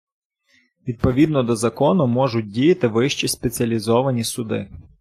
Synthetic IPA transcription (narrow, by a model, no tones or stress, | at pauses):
ʋʲid̪̚pɔʋʲid̪nɔd̪ɔzɐkɔnʊmɔʒʊt̚ʲdʲijɐt̪ɪʋɪʃt͡ʃispet͡sʲiɐlʲizɔʋɐnʲisʊd̪ɪ̰